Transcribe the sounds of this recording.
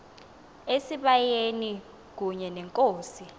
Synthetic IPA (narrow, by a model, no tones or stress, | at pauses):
esiɓajeni | k̬uɲɛnɛŋkʼoːsi